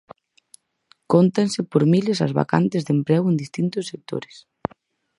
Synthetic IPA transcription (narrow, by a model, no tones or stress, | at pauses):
kont̪ansɪpoɾmilesazβa̰ka̰nt̪ɪzðempɾɛwend̪ist̪int̪ʊsːek̚t̪o̰ɾes